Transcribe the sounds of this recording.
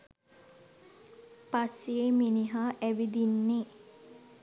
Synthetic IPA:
pasieminiɦaːʔæʋid̪inːe

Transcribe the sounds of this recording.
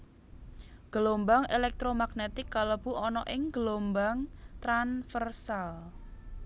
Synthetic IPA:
ɡ̥əlombaŋelɛk̚t̪ɾomaɡ̥net̪ɪkːaləb̥ṳɔnɔʔɪŋɡ̥əlombaŋt̪ɾanfərsal

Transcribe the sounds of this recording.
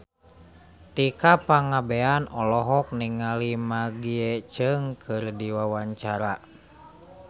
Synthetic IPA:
t̪ikapaŋabɛanɔlɔɦɔk̚niŋalimaɡiɛt͡ʃəŋkʰɨrdiwawaɲt͡ʃaɾa

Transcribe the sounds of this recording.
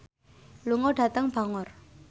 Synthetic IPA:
luŋɔɖ̥a̤t̪əŋb̥a̤ŋɔr

